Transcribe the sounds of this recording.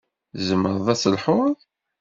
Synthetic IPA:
zəmːəɾˤðˤæsəlħʊðˤ

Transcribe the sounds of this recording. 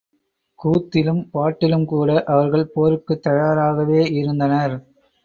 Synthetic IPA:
kuːt̪ːɪlɯmpaːʈːɪlɯmkuːɽɐʔɐʋɐɾɣɐɭpoːɾɯkːɯt̪ːɐjaːɾaːɣɐʋeːɪɾɯnd̪ɐnɐɾ

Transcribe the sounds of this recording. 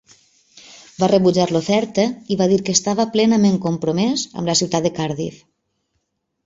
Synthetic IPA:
barəβud͡ʒaɾlofɛɾt̪əiβaðiɾkəst̪aβəplɛnəmeŋkompɾomɛzə̰mləsiwt̪at̪əkaɾðḭf

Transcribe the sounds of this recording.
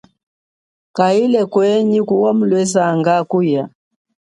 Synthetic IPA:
kailɛkwɛɲikuwam̩lwɛzaŋɡakuja

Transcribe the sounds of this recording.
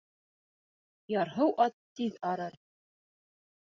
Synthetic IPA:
jɑɾɦɤwʔɑt̪ːiðɑɾɤɾ

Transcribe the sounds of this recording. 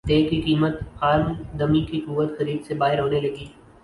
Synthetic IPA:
t̪eːkikiːmət̪haːɾmd̪ɐmikikʊʋət̪xɐɾiːd̪sebaːɦɪɾɦoːnelɐɡiː

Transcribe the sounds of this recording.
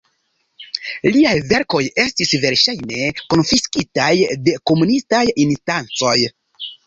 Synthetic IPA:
liajve̞ɾko̞je̞stisve̞ɾʃajne̞ko̞nfiskitajde̞ko̞munistajinstant͡so̞j

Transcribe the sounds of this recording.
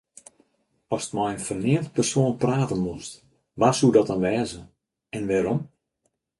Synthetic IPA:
ɔsə̥tmɔjənfərnɪːnt̚pərsoːənpraːtənmust | ʋarsudɔtɔnʋɛːzə | ɛnʋɛːɾɔm

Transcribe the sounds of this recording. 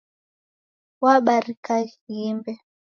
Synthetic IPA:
waɓaɾikaimbɛ

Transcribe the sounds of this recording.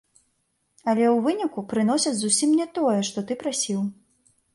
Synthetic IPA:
ɐlʲɛwvɨnʲikupɾɨn̪ɔsʲɐd͡zʲzusʲimnʲɛt̪ɔjɛʂt̪ɔt̪ɨpɾasʲiw

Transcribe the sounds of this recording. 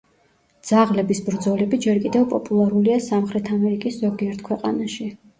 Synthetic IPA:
d̪z̥aʁlɛbisbɾd̪zɔlɛbid͡ʒɛɾkʼid̪ɛvpʼɔpʼulˠaɾuliasamχɾɛt̪ʰamɛɾikʼiszɔɡiɛɾt̪ʰkʰwɛqʼa̰naʃi

